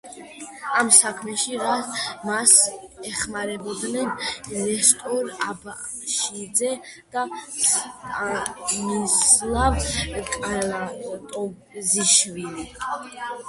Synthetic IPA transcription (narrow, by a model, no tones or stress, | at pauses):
amsakʰmɛʃiɾamasɛχmaɾɛbɔd̪nɛnlɛst̪ʼɔɾaba | ʃid̪zɛd̪̥astʼanislˠavkʼalat̪ʼɔ | ziʃvili